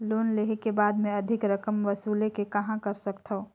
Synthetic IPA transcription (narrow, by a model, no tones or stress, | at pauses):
loːnleɦekebaːd̪mẽɐd̪ʱɪkɾɐkəmʋɐsuːlekekɐɦãkɐɾsəkt̪ʰəo